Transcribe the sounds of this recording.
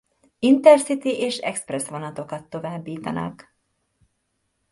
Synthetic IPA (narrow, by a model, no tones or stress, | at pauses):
int̪ɛrsit̪iʔeːʃɛ̰ksprɛsʋo̞nɒt̪o̞kɒt̪ːo̞vaːbːiːt̪ɒnɒ̰k